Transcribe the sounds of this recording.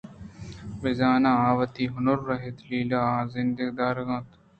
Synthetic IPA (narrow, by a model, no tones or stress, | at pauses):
ʋɪzaːnãːaːʋɐt̪iːɦʊnʊɾːɐɦet̪liːlaːzɪnd̪eɡd̪aːɾɣãt̪